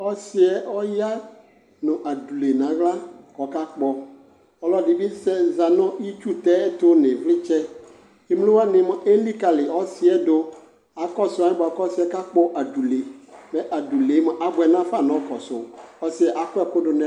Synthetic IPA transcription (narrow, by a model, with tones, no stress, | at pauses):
ɔ˦sɪ˦ɛ˨ʔɔ˦ja˦ | nʊ̃˨ʔa˨du˨le˨nã˨ɣla˦kɔ˨ka˦k͡pɔ˨ | ɔ˨lɔ˦dɪ˨bi˦sɛ˦˨za˨nɔ̃˦ʔi˦t͡ʃu˦t̪ɛ˦ɛ˦t̪ʊ˦nɪ̃˨vlɪ˦t͡ʃɛ˦ | i˦m˦lʊ̃˦wa˦nɪ̃˨ma˨ʔe˦li˦ka˨lɪ˨ɔ˦sɪ˦ɛ˦dʊ˦ | a˨kɔ˦sʊ˨˦a˨˦ɪ˦bɔ˨a˨kɔ˦sɪ˦ɛ˦ka˦k͡pɔ˦ʔa˨du˨le˨mɛ̃˨ʔa˨du˨le˨˦mɛ̃˨ʔa˨ɡ͡bɛ˨nã˦fa˦˨nɔ̃˨˦kɔ˨sʊ̰˨ɔ˦sɪ˦ɛ˨ʔa˨kʊ˦ɛ˨kʊ˦dʊ˨nɛ˨